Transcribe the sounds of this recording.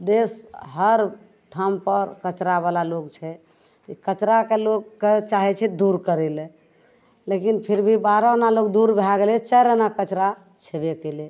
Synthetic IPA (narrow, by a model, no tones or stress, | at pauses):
d̪esɦəɾ | ʈʰampəɾkət͡ʃɾabalalokt͡ʃʰɛ | ikət͡ʃɾakelokːet͡ʃaɦɛt͡ʃʰɛd̪uɾkəɾɛle | lekinpʰiɾbʱibaɾɔnalokd̪uɾbʱlaɡelɛt͡ʃəɾənakət͡ʃɾa | t͡ʃʰebekele